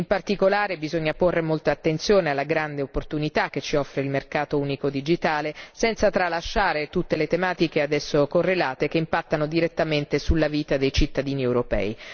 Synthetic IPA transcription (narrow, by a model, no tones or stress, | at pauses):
impart̪ikolaːɾebizoɲːaporːemolt̪aat̪ːent̪sjoːnealːaɡɾand̪eopːort̪unit̪ak̟ːet͡ʃːiɔfːɾeilmerkaːt̪ouːnikod̪id͡ʒit̪aːlesɛnt̪sat̪ɾalːaʃːaːɾet̪ut̪ːelet̪emaːt̪ikead̪ɛsːokorːelaːt̪ekeimpat̪ːanod̪iɾet̪ːament̪esulːaviːt̪ad̪ejt͡ʃit̪ːad̪iːniewɾopɛ̰ːi